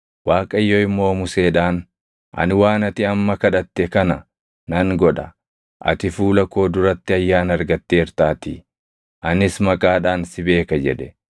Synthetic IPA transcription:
waːkʼɐɪjːoɪmːo̞ːmʊse̞ːᶑaːn | ʔɐ̰nɪwaːnɐt̪ɪɐmːɐkɐᶑɐt̪ːɛkɐnɐ | nɐŋɡɔᶑɐ | ʔɐ̰t̪ɪfuːlɐkːo̞ːd̪ʊɾɐt̪ːɪɐjːaːnɐɾɡɐt̪ːe̞ːɪɾt̪aːt̪ɪ | ʔɐnɪsmɐkʼaːᶑaːnsɪbe̞ːkɐd͡ʒɛᶑɛ̥

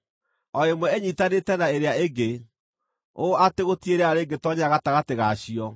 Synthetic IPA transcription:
ɔemwɛeɲitanetɛnaeɾeaeɡe | oʔateɣotieɾeaaɾeɡetɔɲaɣataɣateɣaɕiɔ

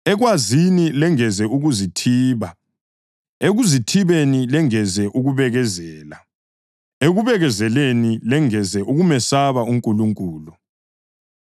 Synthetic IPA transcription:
ɛɣwazinilɛŋɛzɛuɣuzitʰiːβa | eɣuzitʰiβenilɛŋɛzɛʔuɣuβɛɣɛzɛːla̰ | eɣuβɛɣɛzɛlenilɛŋɛzɛʔuɣumɛsaβauŋkʼuluŋkʼuːlu

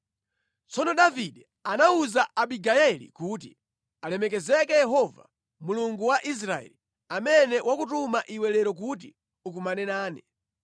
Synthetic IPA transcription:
t͡sɔnɔɗaviɗɛ | anauzaʔaɓiɡajɛlḭkuːt̬ḭ | alɛmɛk̬ɛzɛk̬ɛjɛɦɔva̰ | muluŋɡuwaʔis̬ɾaɛ̰li | amɛnɛwakutumaʔiwɛlɛɾɔk̬ut̬i | uk̬umanɛnaːni

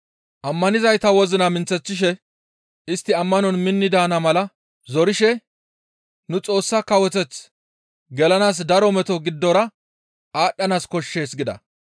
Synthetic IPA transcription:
ʔɐmːɐnɪzɐjt̪ɐwɔzɪnɐmɪnt͡sːɛt͡sːɪʃɛ | ɪst̪ːɪɐmːɐnɔnmɪnːɪd̪aːnɐmɐlɐ | zɔɾɪʃɛ | nʊt͡sʼo̞ːsːakɐwɔt̪ɛt͡s | ɡɛlɐnaːs̬d̪ɐɾɔmɛt̪ɔɡɪd̪ːɔɾɐ | ʔaːɗːɐnaːskɔʃːe̞ːsɡɪd̪ɐ̰

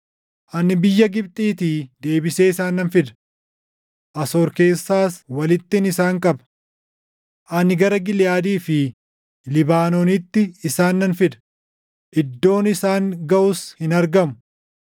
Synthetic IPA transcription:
ʔɐnɪbɪjːɐɡɪb̚t̪ʼiːt̪iːd̪e̞ːbɪseːɪsaːnːɐnfɪd̪ɐ̥ | ʔɐso̞ːɾke̞ːsːaːswɐlɪt̪ːɪnɪsaːŋkʼɐbɐ | ʔɐnɪɡɐɾɐɡɪljaːd̪iːfɪ | lɪbaːnoːnɪt̪ːɪːsaːnːɐnfɪd̪ɐ̥ | ʔɪd̪ːo̞ːnɪsaːŋɡɐʔʊshɪnɐɾɡɐmʊ̥

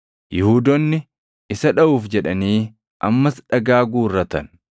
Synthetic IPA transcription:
jɪhuːd̪ɔnːɪ | ɪsɐᶑɐʔuːfd͡ʒɛᶑɐniː | ʔɐmːɐsᶑɐɡaːɡuːrːɐt̪ɐ̰n

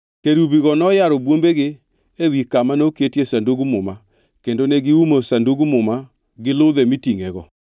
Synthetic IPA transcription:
keɾuβiɣɔnɔjaɾobwombeɣɪ | ewikamanoketesandoɡumʊma | kendoneɡɪumosanduɡumʊma | ɡɪloðemitiŋɛɣɔ

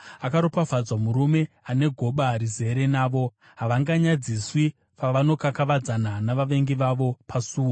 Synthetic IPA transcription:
akaɾopavad͡zwamuɾume̞ | ane̞ɡʱo̞ɓaɾize̞ɾe̞naːʋo̞ | ɦaʋaŋɡaɲad͡ziswi | paʋano̞kakaʋad͡zananaʋaʋe̞ŋɡiʋaʋo̞pʰasuːo

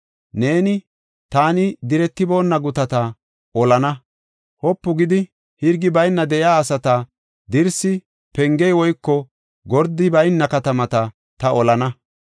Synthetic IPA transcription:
ne̞ːnɪ | t̪aːnɪd̪ɪɾɛt̪ːɪbo̞ːnːɐɡʊt̪ɐt̪ɐ | ɔlɐnɐ | hɔpːʊɡɪd̪ɪ | hɪɾɡɪbɐjnːɐd̪ɛʔjaːsɐt̪a | d̪ɪɾsɪ | pɛŋɡɛjwɔjkːɔ | ɡɔɾd̪ɪbɐjnːɐkɐt̪ɐmɐt̪ɐ | t̪ɐɔlɐnɐ

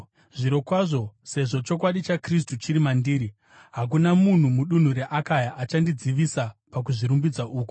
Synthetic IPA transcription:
ʐiɾo̞kwaʐo̞se̞ʐo̞t͡ʃo̞k̬waɗit͡ʃakris̬tut͡ʃiɾimandiːɾi | ɦak̬unamun̤umuɗun̤uɾeʔakajaʔat͡ʃandid͡ziʋisapak̬uʐiɾumbid͡zaʔuːku̥

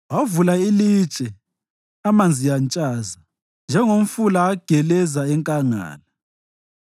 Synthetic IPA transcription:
wavulailit͡ʃʼɛ | amand͡zʱijant͡ʃʼaːza | nd͡ʒʱɛŋom̩fulaːɡ̥ʱɛlɛzaɛŋkʼaŋa̰ːla

